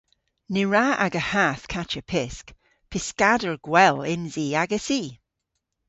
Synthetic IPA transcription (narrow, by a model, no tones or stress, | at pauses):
niɹaa̰ɡəhaθkʰat͡ʃəpʰɪsk | pʰɪskadəɹɡ̥wɛlɪnziːaɡəsiː